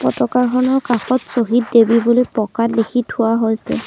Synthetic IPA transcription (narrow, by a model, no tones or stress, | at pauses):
pɔtɔkaɹxʰɔnɔɹkaxɔtsoɦit̚debibolojpɔkalekʰitʰʊwaɦojsɛ̰